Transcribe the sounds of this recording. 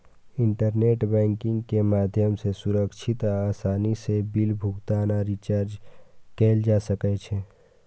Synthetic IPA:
ɪ̃ɳʈəɾneːʈbɛ̃ːŋkɪ̃ŋɡkemaːd̪ʱjəmsesʊɾəkʃʰɪt̪aːsaːnisebilbʱuɡt̪anaɾit͡ʃaːɾd͡ʒkeːld͡ʒasəkɛt͡ʃʰe

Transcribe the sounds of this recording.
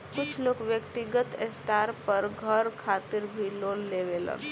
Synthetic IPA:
kʊt͡ʃʰloːkʋjəkt̪ɪɡət̪esʈaːɾpəɾɡʱəɾkʰaːt̪ɪɾbʱiloːnːeʋelə̰n

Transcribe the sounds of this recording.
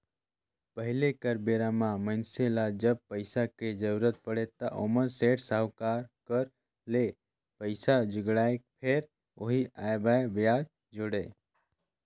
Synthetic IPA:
pəɦilekəɾbeɾamãmənselad͡ʒəb̚pəɪsaked͡ʒəɾuɾət̪̚pəɽet̪aʔo̰məɾseʈsaɦwkaɾkəɾ | le | pəɪsad͡ʒɪɡɽaekpʰeɾ | oɦiajbaebjad͡ʒ | d͡ʒoɽe

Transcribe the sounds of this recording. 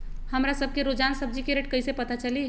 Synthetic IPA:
həmɾasəb̚ʱkeɾod͡ʒansəb̚d͡ʒikeɾeʈ̚kəjsepət̪at͡ʃəli

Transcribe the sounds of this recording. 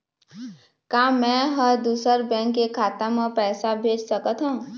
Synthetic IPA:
kaːmɛ̃ɦəɾd̪uːsəɾbɛ̃ːŋkːekʰaːt̪ãmẽpɛːsabʱeːd͡ʒsəkət̪ɦũː

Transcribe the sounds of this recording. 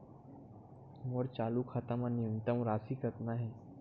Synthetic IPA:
moɾt͡ʃaːlukxɐt̪əmɐnijʊnt̪əmɾaːsikɐt̪naɦɛː

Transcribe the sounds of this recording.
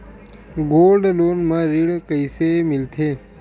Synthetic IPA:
ɡolɖlonmãɾiɭkəisemɪlt̪ʰe

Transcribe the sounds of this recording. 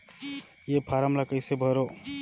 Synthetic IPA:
jepʰaːɾəmlakəɪsebʱəɾoː

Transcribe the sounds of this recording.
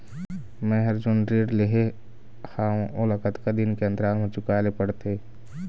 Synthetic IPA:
mɛ̃ɦɐɾd͡ʒʊnɾeːɾleɦe | haːũʔʊlakət̪kad̪ɪnkeə̃nt̪ɾaːmẽt͡ʃʊkaːlepəɽt̪eː

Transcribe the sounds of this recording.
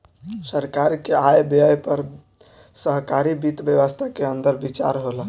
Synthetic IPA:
səɾkaɾkeajbjajpəɾ | səɦkaɾibit̪bjəʋəst̪ʰakeənd̪əɾbit͡ʃa̰ɾɦolə

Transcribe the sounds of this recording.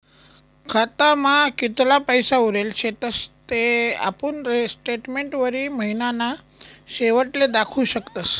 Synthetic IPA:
kʰat̪amakit̪lapəjsauɾelt͡ɕʰet̪əst̪ea̰punɾsʈeʈmeɳʈʋəɾiːməɦinana | seʋəʈled̪akʰuɕəkt̪as

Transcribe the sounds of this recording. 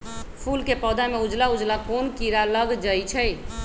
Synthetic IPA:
pʰulkepɔd̪ameud͡ʒlaud͡ʒlakonkiɾaləɡd͡ʒəjt͡ʃʰəj

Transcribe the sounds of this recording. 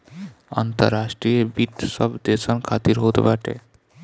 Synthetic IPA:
a̰nt̪ə̰ɾːasʈɾijebit̪səbd̪esənkʰat̪iɾɦot̪baʈʰḛ

